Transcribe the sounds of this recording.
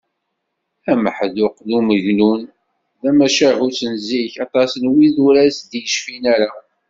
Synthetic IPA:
æməħðʊqðuməʝnun | ðæmæʃæɦut͡sːənzːiçɑt̪ˤɑsnwiðuɾæsd̪jəʃfinæɾa

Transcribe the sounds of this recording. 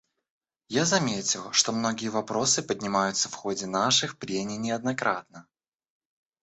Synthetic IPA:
jazɐmʲetʲɪlˠʂt̪o̞mno̞ɡʲɪjəvɐpɾo̞sɨpədʲnʲɪmajʊt̪səfxodʲɪnaʂɨxpɾʲenʲɪnʲɪɐd̪̚nɐkɾʔat̪̚nə

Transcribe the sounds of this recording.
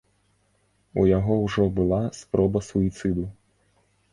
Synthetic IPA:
ṵjaɦɔwʐɔbulˠaspɾɔbɐsuit̪sɨd̪u

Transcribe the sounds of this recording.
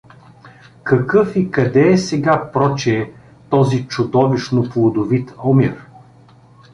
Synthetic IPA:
kɐkɤfikɐd̪ɛːsɛɡapɾɔt͡ʃɛː | t̪ɔzit͡ʃʊd̪ɔviʃnoplˠod̪ovit̪ɐomiɾ

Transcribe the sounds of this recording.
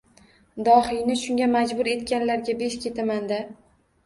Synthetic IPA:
d̪ɒhijnɪʃʊŋɡʲamad͡ʒbʊɾe̞t̪kʲanlaɾɡʲabe̞ʃkʲʰe̞t̪ʰamand̪a

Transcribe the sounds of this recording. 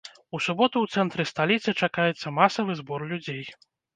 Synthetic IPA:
usubɔt̪uwt̪sɛnt̪ɾɨst̪alʲit̪sɨt͡ʂakajɛt̪sːɐmasɐvɨzbɔrlʲud͡zʲej

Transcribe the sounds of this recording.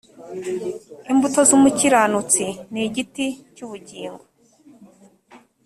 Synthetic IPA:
imbuto̞zuːmuciɾanut͡siniɟiticuβuɟiːŋɡo

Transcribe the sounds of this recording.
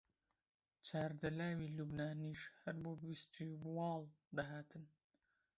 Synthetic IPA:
t͡ʃʰaːɾd̪ɐlaːwiːluːbnaːniːʃhɛɾboːvist̪ʰiːwɑːl | d̪ɐɦaːt̪ʰɨn

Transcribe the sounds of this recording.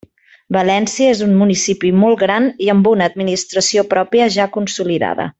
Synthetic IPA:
bəlɛnsiəezummunisipimɔlˠɣɾaniəmbunəːd̪̚minist̪ɾəsiopɾɔpiəʒakunsuliða̰ðə̰

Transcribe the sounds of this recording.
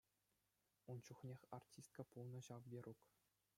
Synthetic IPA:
unt͡ɕuχnʲexʲartʲist̪̚kəpulˠnɤ̆ɕɑʋbʲeruk

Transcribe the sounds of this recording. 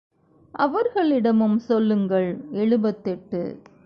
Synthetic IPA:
ʔɐʋɐɾɣɐɭɪɽɐmɯmsɔlːɯŋɡɐɭɛɻɯbɐt̪ːɛʈːɯ̰

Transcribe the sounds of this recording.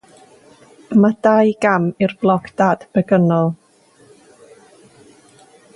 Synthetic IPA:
madajɡamɪrblˠɔkʰd̥aːd̥b̥əɡənɔlˠ

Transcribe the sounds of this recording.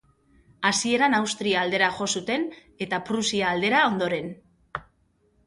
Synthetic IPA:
asie̞ɾanawst̪ɾiaːld̪e̞ɾaʝo̞sut̪e̞n | e̞t̪apɾusiaːld̪e̞ɾao̞nd̪o̞ɾe̞n

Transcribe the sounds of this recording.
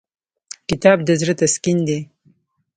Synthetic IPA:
kɪt̪ɑb̚d̪əzɾət̪askind̪e

